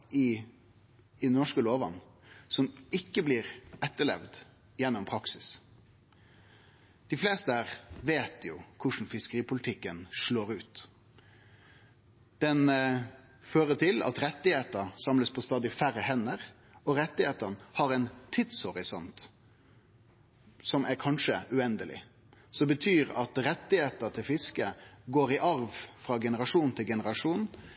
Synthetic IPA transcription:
ɪ | ɪnɔʂkəloːʋɑ̰nsɔmɪkːəbliːʁɛt̪ːəɭɛ̰ʋd̪ | jɛnːʊmpʰɾɑksɪs | d̪̥ɪfleːst̪əæʁʋeːt̪ʰjʊkʰʊʂn̩fɪskəʁiːpʰʊlɪt̪ʰɪkːənʂɭoːɾʉːt̪ | d̪̥ɛn | føːʁət̪ʰɪlɑ̰t̪ɾɛt̪ːɪheːt̪əsɑmləspʰɔst̪ɑːd̪ɪʊfæɾəhɛnːəɾ | ɔɾɛt̪ːɪheːt̪ənhɑɾɛnt̪ʰɪd̪shɔɾɪsɔnt̪ | sɔmʔæɾkʰɑnʂəʉɛnd̪əlɪ̰ | sɔbət̪ʰyːɾɑt̪ɾɛt̪ːɪheːt̪əɾt̪ʰɪlfɪskəɡoːɾɪʔɑɾʋfɾɑːɡɛnəɾɑʂuːnnt̪ʰɪlɡɛnəɾɑʂuːnn̩

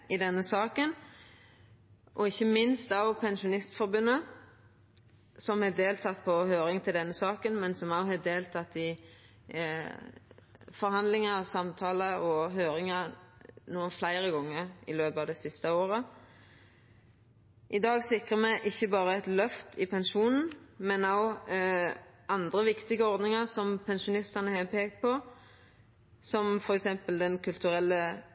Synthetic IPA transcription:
ɪd̪ɛnːəsɑːkən | ʔɔɪçːəmɪnst̪ɑʋpʰɛnʃʊnɪst̪fɔɾbʉnːə | sɔmhɛːd̪eːlt̪ʰɑt̪ːpʰɔhøːɾɪŋt̪ʰɪld̪ɛnːəsɑːkənmɛnsɔmɑʊhɑːd̪eːlt̪ʰɑt̪ːɪ | fɔɾhɑnd̪lɪŋəsɑmt̪ʰɑːləɔɦøːɾɪŋənuːənflæɪɾəɡɔŋːəɾɪløːpɑːʋd̪ɛsɪst̪əoːɾə | ʔɪd̪ɑːɡsɪkʁəmɛʔɪçːəbɑːɾəɛt̪lœft̪ʰɪpʰɛnʃuːnn̩mɛnɑʊ | ɑnd̪ʁəʋɪkt̪ɪɡəɔɾd̪nɪŋɑʁsɔmpʰɛnʃʊnɪst̪ɑnəhɛpʰeːkt̪̚pʰɔ | sɔmfɔɾɛksɛmpəld̪ɛnkʰʉlt̪ʉɾɛlːə

